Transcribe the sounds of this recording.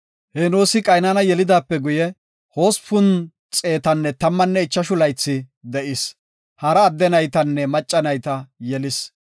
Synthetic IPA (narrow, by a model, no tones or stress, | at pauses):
hɛnoːsɪkʼɐjnanɐjɛlɪd̪aːpːɛɡʊjɛ | ho̞ːspʊn | t͡sʼe̞ːt̪ɐnːɛt̪ɐmːɐnːɛɪt͡ʃːɐʃʊlɐjt͡sːɪd̪ɛʔɪs | hɐɾɐːd̪ːɛnɐjt̪ɐnːɛmɐt͡ʃʼːɐnɐjt̪ɐjɛlɪs